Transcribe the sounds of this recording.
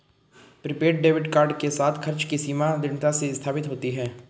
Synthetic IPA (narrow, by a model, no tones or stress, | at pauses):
pɾɪpeːʈ̚ɖeːʋɪɖkaːɾɖkesaːt̪ʰxʰɐɾt͡ʃkisiːmad̪ɪɳt̪aseɪst̪ʰaːpɪt̪ɦoːt̪iɦɛː